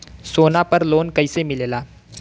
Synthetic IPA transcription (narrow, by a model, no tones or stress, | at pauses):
soːnapəɾloːnkəisemɪleːla